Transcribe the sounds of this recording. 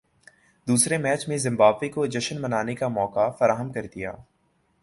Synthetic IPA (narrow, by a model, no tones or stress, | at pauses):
d̪uːsɾemɛːt͡ʃmẽzɪ̃mbaːbʋekod͡ʒɪʃənmɐnaːnekamɔːkafɐɾaːɦəmkɐɾd̪ija̰ː